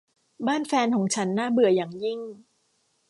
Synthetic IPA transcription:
baː˥˩˨nfɛː˧nkʰɔː˩˦ŋt͡ɕʰa˦˥nːaː˥˩bɯ˨˩˦ɐjaː˨˩ŋji˥˩ŋ

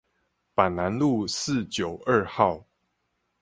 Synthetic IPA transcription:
pa˨˩nna˧˦nlu˥˨sɹ̩˥˨t͡ɕjo˨˩ʊʔə˥˧xɑ˥˨ʊ

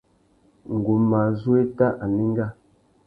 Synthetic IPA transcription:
ŋ̩˨ɡu˨ma˨zu˦e˦ta˦ʔa˨ni˦ŋ˦ɡa˦˨

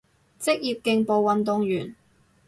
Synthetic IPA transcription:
t͡sɪ˥k̚jiː˨p̚kɪ˧ŋpo˨˧wwɐ˨˧nt̪ʊ˨˧ŋjyː˨˩n

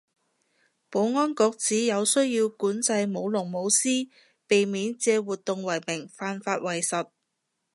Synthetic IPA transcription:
po˨˥wŋɔː˥nkɔː˧k̚t͡siː˨˥jɐ˨˧wsɵ˥ɥjiː˧wkuː˨˥nt͡sɐ˧jmo˨˧wlʊ˨˩ŋmo˨˧wsiː˥ | pe˨jmiː˨˥nt͡sɛː˧wuː˨t̚t̪ːʊ˨ŋwɐ˨˩jmɪ˨˩ŋfaː˧nfaː˧t̚wɐ˨˩jsɐ˨t̚

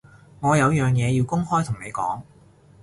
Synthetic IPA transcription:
ŋɔː˨˧jɐ˨˧wjœː˨˩ŋjɛː˨˧jiː˧wkʊ˥ŋhɔː˥jt̪ʰʊ˨˩ŋne˨˧jkɔ̰ː˨˥ŋ

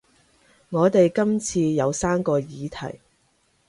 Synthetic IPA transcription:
ŋɔː˨˧t̪e˨jkɐ˥mt͡sʰiː˧jɐ˨˧wsaː˥mkɔː˧jiː˨˧t̪ʰɐ̰˨˩j

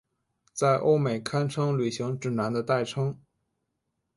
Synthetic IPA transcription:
t͡sa˥˩ɪʔo˥ʊme˨˩ɪkʰa˥nʈ͡ʂʰɤ˥ŋly˨˩ɕi˧˥ŋʈ͡ʂɻ̩˥˩na˧˥nd̪ə˧t̪a˥˩ɪʈ͡ʂʰɤ˥ŋ

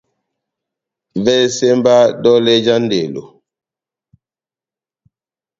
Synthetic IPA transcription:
vɛ˦sɛ˦mba˦dɔ˦lɛ˦d͡ʒa˦n˦de˨lo̰˨

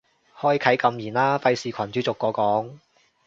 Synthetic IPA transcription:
hɔː˥jkʰɐ˨˥jkɐ˧mjiː˨˩nlaː˥fɐ˧jsiː˨kʰɐ˨˩nt͡ʃyː˨˧˥t͡sʊ˨kːɔː˨˧kɔː˨˥ŋ

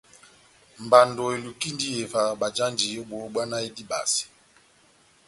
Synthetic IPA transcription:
m̩˨ba˨ndɔ˨e˨lu˨ki˦ndi˦e˨va˨ɓa˨d͡ʒa˦nd͡ʒi˨jo˦ɓo˨˦ɓwa˦na˦e˦di˦ba̰˨si̥˨

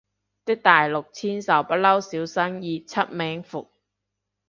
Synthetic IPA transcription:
t̪ɪ˥k̚t̪aː˨jlʊ˨k̚t͡sʰiː˥nsɐ˨˩wpɐ˥t̚lɐ˥wsiː˨˥wsɐ˥ŋjiː˨˧t͡sʰɐ˥t̚mɛː˨˥ŋfʊ˨k̚

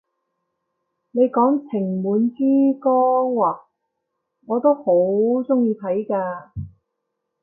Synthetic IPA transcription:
ne˨˧jkɔː˨˥ŋt͡sʰɪ˨˩ŋmuː˨˥nt͡siː˥kɔː˥waː˨ | ŋɔː˨˧t̪o˥who˨˥wt͡sʊ˥ŋjiː˧t̪ʰɐ˨˥jkaː˧

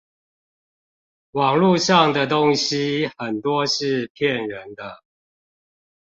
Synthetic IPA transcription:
wɑ˨˩ŋlu˥˨ʂɑ˥˨ŋd̪ə˨˩t̪o˦ŋɕi˦xə˨˩nt̪wɔ˦ʂɻ̩˥˨pʰjɛ˥˨nɻə˨˦nd̪ə˦

